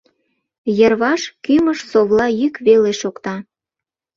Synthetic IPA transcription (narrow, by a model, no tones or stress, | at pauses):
jərβɑʃkyməʃsoβlɑjykβeleʃokt̪ɑ